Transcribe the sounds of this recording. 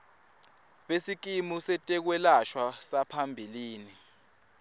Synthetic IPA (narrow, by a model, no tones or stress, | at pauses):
ɓesik̬imusɛtʼɛk̬wɛlaʃwasapʰambʱiliːni